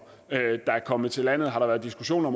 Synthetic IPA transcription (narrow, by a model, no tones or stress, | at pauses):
ød̥ɑ̈æɐkʰɒ̽məð̩ˠt͡sʰe̝læn̰ð̞̩ˠɦɑ̈ɾ̥ɑ̈ʋæːɐðˠd̥isɡ̥uɕo̝̰ːnɒ̽m